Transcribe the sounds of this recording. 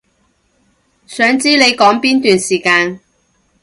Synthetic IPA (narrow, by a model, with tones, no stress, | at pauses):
sœː˨˥ŋt͡siː˥le˨˧jkɔː˨˥ŋpiː˥nt̪yː˨nsiː˨˩kaː˧n